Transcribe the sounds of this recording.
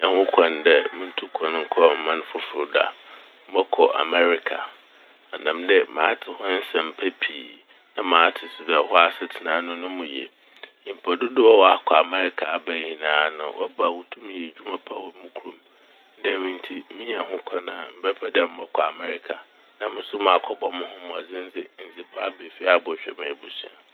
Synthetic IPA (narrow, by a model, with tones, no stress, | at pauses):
a˨hʊ̃˦kʷʰã˨ndɛ˦mʊ̃˦n̩˦tʰu˦kʰã˨n˦ŋ̩˦kʰɔ˦˨m̩˨mã˦n˦fʊ˦fʊ˨da̰˨ | m̩˦bɔ˦kʰɔ˨ʔa̰˨mɛ˦ɾɪ˦kʰa̰˨ | a˨nã˨mdɛ˦mã̰ː˨˦tʰɪ˨hɔ˦n̩˦sɛ̃˨m̩˨pʰæ˦pʰiː˨ | nã˦mãː˨˦tʰɪ˨sʊ˨dɛ˨hɔ˦a˦sɛ˨tʰɪ˨nãː˦nʊ̃˦nʊ̃˦mũ˨jḛ̃˨ | m̩˨pʰɛ˨dʊ˦dɪ˦wɔ˦wɔ˨a˦˨kʰɔ˨a˨mɛ˦ɾɪ˦kʰa˨a˨bæ˨hĩ˨nãː˨˦nʊ̰̃˨wʔɔ˦ba˨wʊ˦tʰũ˦m˨ɛ˨d͡ʑᶣu˦mã˦pʰa˦wɔ˦mʊ̃˦kʰu˨ɾũ˨m | n̩˦dɛ˦mĩ˦n˦tʰi˦mĩ˦ɲ˦a˨ɦʊ̃˦kʷʰa˦nã˨m̩˦bɛ˦pʰɛ˦dɛ˦˨m̩˦bɔ˦kʰɔ˨a̰˨mɛ˦ɾɪ˦kʰa˨ | nã˦mɪ̃˦sʊ˦mã˨a˨kʰɔ˦bɔ˦mʊ̃˦ɦʊ̃˦mʊ̃˨a˨d͡zɪ̃˦n̩˦d͡zɪ˦˨n̩˨d͡zɪ˨pʰa˦a˦˨be˨fi˦a˦˨bɔ˨ɕᶣɛ̰˦mã˨bu˦sɛ̰̃˦n